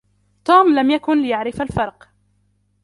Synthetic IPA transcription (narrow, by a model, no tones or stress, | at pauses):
t̪uːmlamjakʊnlɪjaʕɾɪfalfɑɾˤq